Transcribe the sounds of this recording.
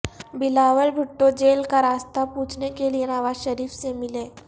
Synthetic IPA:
bɪlaːʋəlbʱʊʈːõd͡ʒeːlkaɾaːst̪apuːt͡ʃʰnekelienaːʋaːʃɐɾiːfsemɪleː

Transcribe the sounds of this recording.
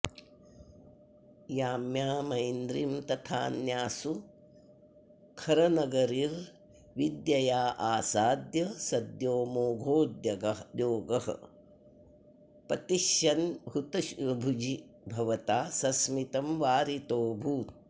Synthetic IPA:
jaːmjaːmɐjnd̪ɾimt̪ɐt̪ʰa̰ːnjaːsu | kʰɐɾɐnɐɡɐɾiːɾ | ʋid̪jɐjaːʔaːsaːd̪jɐsɐd̪joːmoːɡʱoːd̪jɐɡɐjoːɡɐhɐ̰ | pɐt̪iʃjɐnɦut̪ɐʃbʱud͡ʒi | bʱɐʋɐt̪aːsɐsmit̪ɐmʋaːɾit̪oːbʱuːt̪̚

